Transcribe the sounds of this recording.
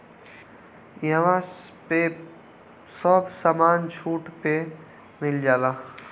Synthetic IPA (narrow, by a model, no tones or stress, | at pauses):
jɐʋãpe | sɔːbsaːmaːnt͡ʃʰuːʈpe | mɪld͡ʒaːlaː